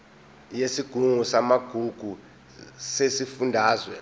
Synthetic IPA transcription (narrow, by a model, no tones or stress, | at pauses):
jesiɡ̥ʱuŋusamaɡ̥ʱuɡ̥ʱu | sesifundʱaːzwɛ